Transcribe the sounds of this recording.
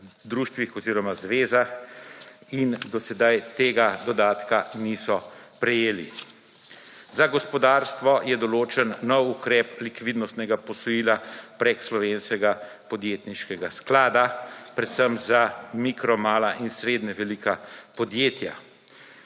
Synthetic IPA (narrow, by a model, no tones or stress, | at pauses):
d̪ɾuːʃt̪ʋixɔziːɾɔmazʋeːzax | ind̪ɔsɛd̪ajt̪eːɡad̪ɔd̪aːt̪kanisɔ | pɾɛjeːli | zaɡɔspɔd̪aːɾst̪ʋɔjɛd̪ɔloːt͡ʃɛnːɔwukɾɛplikʋid̪nɔst̪nɛɡapɔsɔjiːlapɾekslɔʋeːnskɛɡa | pɔd̪jeːt̪niʃkɛɡasklaːd̪apɾɛt̪səmzamikɾɔmaːlaʔinsɾeːd̪nɛʋɛlikapɔd̪jeːt̪ja̰